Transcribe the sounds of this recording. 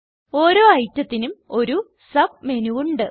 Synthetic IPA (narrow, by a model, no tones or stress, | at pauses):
o̞ːɾo̞ːɐjtːɐt̪ːinumo̞ɾu | sɐb̚me̞nuuɳɖɨ